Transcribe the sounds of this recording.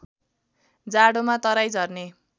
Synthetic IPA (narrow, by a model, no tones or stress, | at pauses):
d͡zaɽomat̪ʌɾajd͡zʌrne